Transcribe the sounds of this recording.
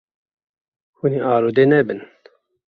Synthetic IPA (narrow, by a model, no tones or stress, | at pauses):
xuniʔaːɾod̪eːnɛbɨn